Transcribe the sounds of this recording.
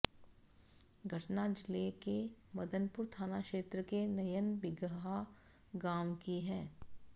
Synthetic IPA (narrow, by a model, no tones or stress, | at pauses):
ɡʱɐʈnad͡ʒɪlekemɐd̪ənpʊɾt̪ʰaːnakʃeːt̪ɾəkenɐjənbɪɡɦa | ɡaːmkiɦɛ̃ː